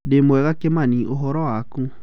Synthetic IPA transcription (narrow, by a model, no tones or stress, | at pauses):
demoɛɣakemãnĩʔoɦɔɾɔakũ